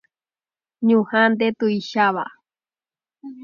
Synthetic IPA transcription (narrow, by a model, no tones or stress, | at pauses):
ɲũhand̪et̪uiʃaβa̰